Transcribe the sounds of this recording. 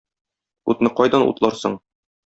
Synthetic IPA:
ut̪nɤqɒjd̪ɑnʔṵt̪lˠɑɾsɤɴ

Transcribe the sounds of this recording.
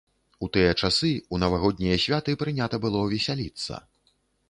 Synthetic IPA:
ut̪ɨjɐt͡ʂasɨunɐvaɣɔd̪ʲnʲijɐsʲvʲat̪ɨpɾɨnʲat̪ɐbɨlˠɔvʲɛsʲalʲit̪sːɐ̰

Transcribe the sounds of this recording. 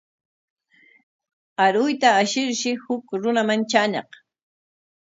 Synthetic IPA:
aɾʊjt̪aːʃɪɾʃɪhʊkɾʊnamaŋt͡ʃanɑ̰q

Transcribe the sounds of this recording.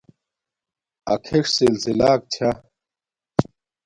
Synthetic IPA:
ɐ̰kʰeʂselsilaːk̚tʰɐ

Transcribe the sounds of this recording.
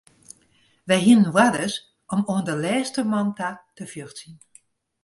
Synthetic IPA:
ʋɛjɦiənənwadəs | ɔmoəndəlɛːstəmɔntatəfjøxsin

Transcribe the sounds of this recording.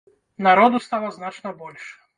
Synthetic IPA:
naɾɔd̪ust̪alˠɐznat͡ʂnɐbɔlʲʂɛ

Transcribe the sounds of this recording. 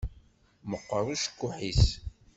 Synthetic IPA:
məqːəɾˤuʃə̥kːuħis

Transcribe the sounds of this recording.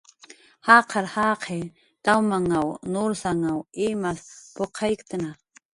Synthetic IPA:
haːqʰɑɾhaːqʰe | t̪awmaŋawnuɾsaŋawimaspoqʰɑjkt̪na

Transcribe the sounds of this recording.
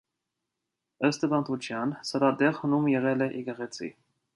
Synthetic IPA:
əst̪ɛvɑnt̪ut͡ʃʰjɑnsəɾɑd̪ɛʁhənumjɛʁɛlɛʔiɡəʁɛt͡sʰḭ

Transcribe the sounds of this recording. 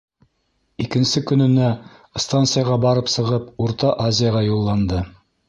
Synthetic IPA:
ikɘ̆nsɘkɵ̆nɘ̆næ | st̪ant̪sɨjaʁɑbɑɾɤpsɤ̆ʁɤpuɾt̪ɑʔazʲɪjəʁɑjulˠːɑnd̪ɤ

